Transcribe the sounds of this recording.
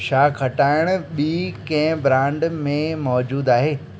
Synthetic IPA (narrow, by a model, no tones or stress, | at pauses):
ʃaːkʰɐʈaːɪɽ̃ɓiːkɐ̃ɦɪ̃bɾãːɳɖmẽmɔːd͡ʑuːd̪aːɦeː